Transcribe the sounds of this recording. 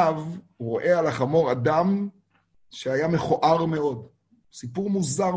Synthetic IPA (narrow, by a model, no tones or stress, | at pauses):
v | ʁo̞ʔe̞alaχamo̞ʁad̪am | ʃeajame̞χoʔaʁme̞o̞d̪ | sipuʁmuzaʁ